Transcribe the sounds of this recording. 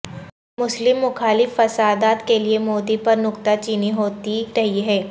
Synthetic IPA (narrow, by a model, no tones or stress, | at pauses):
mʊslɪmːʊxaːlɪfːɐsaːd̪aːt̪keliemoːd̪ipɐɾnʊkt̪at͡ʃiːniɦoːt̪iɾɐɦiɦɛː